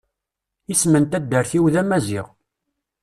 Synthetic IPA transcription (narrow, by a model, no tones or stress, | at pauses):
ismənt̪æd̪ːəɾθiwðæmæzḭʁ